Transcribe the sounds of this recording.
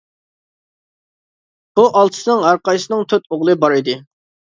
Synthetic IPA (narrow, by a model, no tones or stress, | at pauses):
b̥uʔɑlˠt̪ʰɨ̥sɨnɨŋɑɾqɑjsɨnɨŋt̪ʰøt̪oʁlˠɨbɑɾɪd̪ɨ